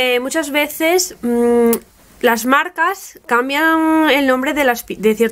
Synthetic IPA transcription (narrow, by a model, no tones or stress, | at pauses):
emut͡ʃazβe̞θe̞s | lazmaɾkaskambjaŋe̞lnõ̞mbɾe̞ðelaspid̪e̞θjeɾ